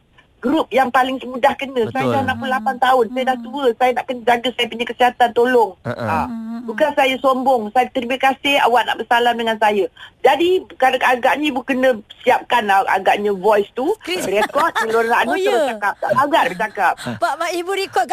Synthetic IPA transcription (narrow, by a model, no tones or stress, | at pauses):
ɡɾup̚jaŋpalɪŋsəmudahkənə̃sajədahnãʔpullapant̪aʊnsajədaht̪uəsajənaʔkənəd͡ʒaɡəsajəpuɲəkəsiɦat̪ant̪olɔŋabukansajəsombʊŋsajət̪əɾiməkasɪha̰waʔna̰ʔbərsalamdəŋansajəd͡ʒadikadaɡaʔɲə̃bukənə̃siap̚kanaa̰ɡaʔɲə̃vɔjst̪uɾɛkɔt̪̚əlonːaʔnətəbət͡ʃakap̚aaɡaʔ̚bət͡ʃakap̚bamaibuɾikɔ